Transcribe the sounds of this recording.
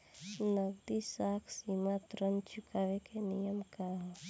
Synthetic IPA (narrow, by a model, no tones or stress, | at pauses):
nəɡ̚d̪isaːkʰsimat̪ɾənt͡ʃʊkaːʋekenijəmkaɦ